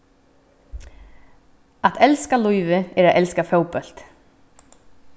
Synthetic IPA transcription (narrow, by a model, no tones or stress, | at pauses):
aðɛlskalujvɪɛɾaðʔɛlskafjaːwpœl̥t̪